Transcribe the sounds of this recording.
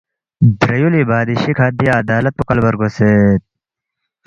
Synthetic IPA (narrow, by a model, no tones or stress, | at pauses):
d̪ɾɐjulibaːd̪iɕikʰaːd̪ijaːd̪aːlɐt̪̚pukɐlbɐɾɡoseːt̪̚